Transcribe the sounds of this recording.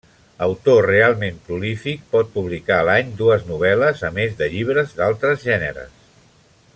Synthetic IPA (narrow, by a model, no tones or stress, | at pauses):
əwt̪orealˠmempɾulifik̚pɔt̪̚puβlikaəlaɲd̪uəznuβ̞ɛləzəmezðəʎiβ̞ɾəzðalˠt̪ɾəzʒɛnə̰ɾə̰s